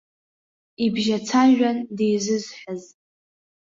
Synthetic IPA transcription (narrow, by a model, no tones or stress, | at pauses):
ibʒat͡sʰaʒᶣandejzɨzħəz